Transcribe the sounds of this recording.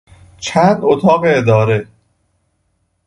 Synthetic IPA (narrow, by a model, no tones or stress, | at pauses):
t͡ʃʰænd̪ot̪ʰɒːɣeːd̪ɒːɾe̞